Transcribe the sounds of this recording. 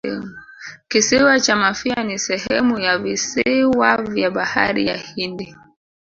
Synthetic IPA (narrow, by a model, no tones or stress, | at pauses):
kisiwat͡ʃamafianisɛhɛmujavisiwavjaɓaha̰ɾḭja̰hindi